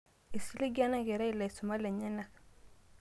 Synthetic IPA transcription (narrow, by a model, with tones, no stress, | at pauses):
i˨si˦li˦ɡa˦na˦ɡɛ˨ɾɛ˦i˦la˨i˨su˨ma˦lɛ˨ɲɛ˦na˨